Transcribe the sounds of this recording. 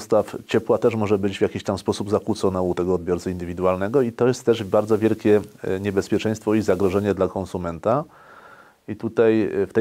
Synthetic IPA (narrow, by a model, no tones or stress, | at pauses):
st̪aft͡ɕɛpwat̪ɛʂmɔʐɛbɘd͡ʑvʲjakʲiɕt̪amspɔsubzakwut̪sɔnɛut̪ɛɡɔːd̪̚bʲjɔɾt̪saind̪ɘvʲid̪uwalnɛɡɔit̪ɔjɛst̪ːɛʐbaɾd̪zɔvʲjɛlkʲɛɲɛbɛspʲjɛt͡ʂɛj̃st̪fɔizaɡɾɔʐɛɲɛd̪lakɔ̃nsumɛnt̪a | it̪ut̪ajft̪ɛ